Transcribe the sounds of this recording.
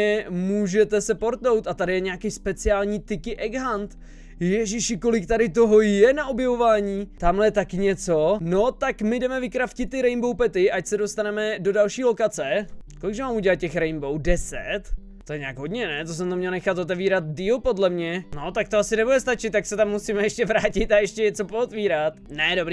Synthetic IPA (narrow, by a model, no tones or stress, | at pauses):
ɛmuːʒɛt̪ɛsɛpoɾt̪no̞wt̪at̪adɪjɛɲɛakɪspɛt͡sɪaːlɲiːt̪ɪkɪʔɛɡɦant̪ | jɛʒɪʃɪko̞lɪk̚t̪adɪt̪o̞ɦojɛnaʔobjɛvo̞vaːɲiːt̪amlɛjɛt̪akɪɲɛt͡so̞no̞t̪akmɪdɛmɛvɪkɾafcɪt̪̚t̪ːɪɾɛjnbo̞wpɛt̪ɪʔacsɛdost̪anɛmɛdo̞dalʃiːlo̞kat͡sɛkolɪɡʒɛmaːmuɟɛlat̪̚cɛxɾɛjnbo̞wdɛsɛt̪ | t̪ːojɛɲɛaːɡɦo̞d̪ɲɛnɛt̪os̬ɛmt̪amɲɛlnɛxat̪ʔot̪̬ɛviːɾat̪diːlpo̞dlɛmɲɛnot̪ak̚t̪oasɪnɛbudɛst̪at͡ʃɪt̪ːaksɛt̪amːusiːmɛjɛʃcɛvɾaːcɪt̪ajɛʃcɛɲɛt͡so̞poot̪viːɾat̪nɛdobɾiː